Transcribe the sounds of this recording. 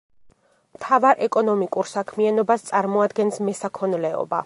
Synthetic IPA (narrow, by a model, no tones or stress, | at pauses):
mt̪ʰavaɾʔɛkʼɔnɔmikʼuɾsakʰmianɔbast̪sʼaɾmɔad̪ɡɛnsmɛsakʰɔnlɛɔ̰ba̰